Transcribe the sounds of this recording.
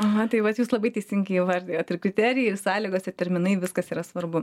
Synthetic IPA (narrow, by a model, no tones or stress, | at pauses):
ɐɐt̪ɐɪʋɐt̪juːslˠɐbɐɪtʲɛɪsʲɪŋʲɡɐɪʋɐrʲd̪ʲijoːt̪ɪrkɾʲɪt̪ʲæːɾʲɪjɛɪrsɑːlʲiːɡoːsɪrt̪ʲɛɾʲmʲɪnɐɪʋʲɪskɐsiːɾɐsʋɐrbʊ